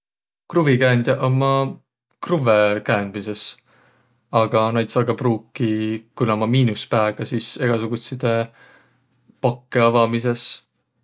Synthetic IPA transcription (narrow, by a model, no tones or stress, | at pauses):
kruvikæːnd̪̥ʲɑʔomːɑ | kruvekæːnd̪mise̞s | ɑɡ̥ɑnɑjt̪sɑɡɑpruːkˑːikunomɑmiːnuspæːɡ̥ɑsiːse̞ɡ̥ɑsuɡ̥ut̪sid̪̥e | pɑkːeɑvɑmise̞s